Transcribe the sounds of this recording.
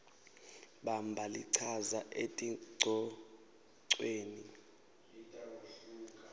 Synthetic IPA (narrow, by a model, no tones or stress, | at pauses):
ɓambʱaliǀʰazaʔetʼiǀʱɔ | ǀweːni